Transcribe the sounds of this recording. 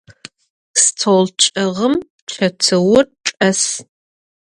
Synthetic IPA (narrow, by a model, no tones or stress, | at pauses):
stʰolt͡ʃʼɐʁəm | ʈ͡ʂʰɐt͡sʰɨwʊrʈ͡ʂʼɐs